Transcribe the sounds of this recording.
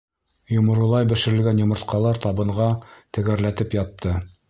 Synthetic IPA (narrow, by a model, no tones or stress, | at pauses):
jŏmɤ̆ɾɤ̆lˠɑjbɘ̆ʃɘ̆ɾɘ̆lɡænjŏmɤ̆ɾt̪qɑlˠɑɾt̪ɑβɤ̆ɴʁɑt̪ɘ̆ɡæɾlæt̪ɘpjɑt̪ʰːɤ